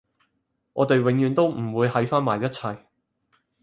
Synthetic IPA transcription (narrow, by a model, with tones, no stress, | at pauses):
ŋʔɔ̰ː˨˧t̪e˨jwɪ˨˧ŋjyː˨˧nt̪o˥wm̩˨˩wuː˨˧jɦɐ˨˥jfaː˥nmaː˨˩jɐ˥t̚t͡sʰɐ˨˧j